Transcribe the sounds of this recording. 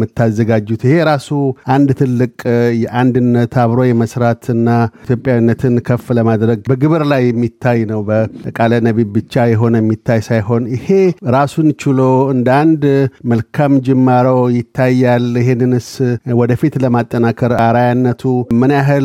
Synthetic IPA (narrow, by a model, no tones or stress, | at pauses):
mɨt̪ːazːəɡad͡ʒːut̪ɪhe̞ɾasuʔand̪t̪ʰɨlːɨkʼjɛʔand̪ɨnːət̪aβɾo̞jɛməsɾat̪ɨnːat̪ʰjo̞pʼjawinːət̪ʰɨnkʰəfləmad̪ɾəɡbəɡɨβɨɾlajːɛmːit̪ʰːajnəwbəkʼalənəβibbɨt͡ʃːajɛɦo̞nəjɛmːit̪ʰːajsajɦo̞nɪhe̞ɾasunt͡ʃɪloɨnd̪and̪məlkʰamd͡ʒɛmːaɾəwjɪt̪ʰːajːalɪɦenːɨnɨswɔd̪əfit̪ləmat̪ʼːənakʰəɾaɾajanːət̪ʰumɨnjaɦɨl